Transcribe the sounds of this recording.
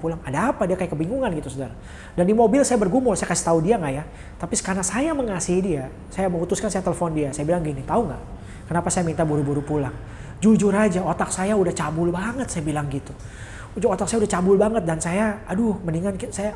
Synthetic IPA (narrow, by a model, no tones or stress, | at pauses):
pulaŋadaːpadiakajakəbiŋɡuŋanɡit̪usodaɾa | dandimobɪlsajabərɡumʊlsajakasi̥t̪audiaŋɡaja | t̪apisə̥kanasajaməŋasiidia | sajaməŋut̪ʊskansajat̪eləfɔndiasajabilaŋɡinit̪auŋɡaʔ | kənapasajamint̪abuɾubuɾupulaŋ | d͡ʒud͡ʒʊrad͡ʒaot̪ak̚sajaudaht͡ʃabʊlbaŋət̪̚sajabilaŋɡit̪u | ud͡ʒʊot̪ak̚sajaudaht͡ʃabʊlbaŋət̪̚dansajaadʊhməniŋankisaja